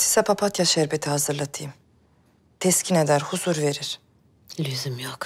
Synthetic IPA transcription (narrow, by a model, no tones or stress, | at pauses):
sʰi̥sɛpʰapʰat̪jaʃɛɾbet̪ʰihazɯɾlˠat̪ʰɯjɯm | t̪ʰɛscʰined̪æɾhuzuɾve̞ɾiɾ̥ | lʲyzymjok